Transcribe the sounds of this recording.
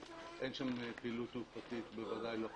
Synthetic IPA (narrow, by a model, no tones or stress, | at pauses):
ʔenʃampilut̪upat̪it̪bevad̪ajlo